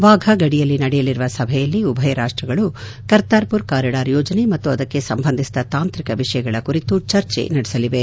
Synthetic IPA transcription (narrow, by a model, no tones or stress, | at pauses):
ʋaːɡʱɐɡɐɽijɐlːinɐɽɛjɐliɾuʋɐsɐbʱɛjɐlːiubʱɐjɐɾaːʂʈɾɐɡɐɭu | kɐɾt̪aːɾpuɾkaːɾɐɽaːɾjɔːd͡ʒɐnemɐt̪ːuɐd̪ɐkːe̞sɐmbʱɐnd̪ʱisd̪ɐt̪aːnt̪ɾikɐʋiʂɐjɐɡɐɭɐkuɾit̪ut͡ʃɐɾt͡ʃḛnɐɽɛsɐliʋe̞